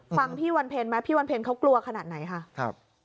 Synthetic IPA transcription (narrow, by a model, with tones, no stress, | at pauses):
fa˧ŋpʰiː˥˩wa˧npʰeː˧nma˦˥pʰiː˥˩wa˧npʰeː˧nkʰa˦˥wklu˧ɐkʰa˧naː˨˩t̪̚na˩˦jkʰa˥˩kʰa˧˩p̚